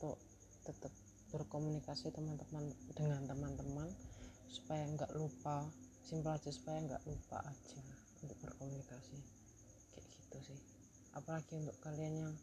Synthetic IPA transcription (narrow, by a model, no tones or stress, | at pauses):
t̪ɔʔ | t̪ət̪əp̚ | b̥ərkomunikasit̪əmant̪əmand̥əŋant̪əmant̪əmansu̥pajaŋɡaʔlupa | simpəlad͡ʒasu̥pajaŋɡa̰ʔlupa̰ʔad͡ʒa | unt̪ʊk̚b̥ərkomunikasi | kɛʔkit̪usɪh | ʔapalaɡ̥iunt̪ʊʔkalianjaŋ